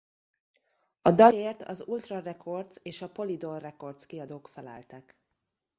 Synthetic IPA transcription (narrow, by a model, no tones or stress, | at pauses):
ɒd̪ɒleːrt̪ʰɒ̰zult̪rɒrɛkʰo̞rt̪seːʃɒpo̞lid̪orrːɛko̞rt̪skiɒd̪oːkfɛlæ̰ːlt̪ɛk